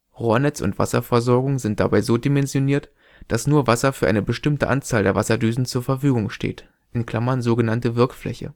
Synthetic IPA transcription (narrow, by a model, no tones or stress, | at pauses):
ʁoːɐnɛt͡sʊ̰ntv̥a̰sɐ̰fɛɐzɔɐɡʊŋzɪnt̚d̥a̰baɪzoːdimɛnzjoniːɐt | d̥asnuːɐvasɐfyːɐʔa̰ɪnəbəʃtɪmtəʔa̰nt͡saːldeːɐvasɐdyːzn̩t͡suːɐfɛɐfyːɡʊŋʃtḛːt | ʔɪnkl̥amɐnzoːɡənantəvɪɐkflɛ̰çə̰